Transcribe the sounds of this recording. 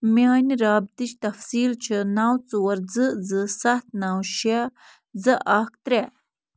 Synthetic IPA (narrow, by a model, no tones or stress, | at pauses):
miaːniɾaːb̚t̪it͡ʃt̪ɐfsiːlt͡ʃʰɨnaːwt͡suwɐɾd͡zɨd͡zɨsɐt̪̚naːwɕa | zɨʔaːk̚t̪ɾe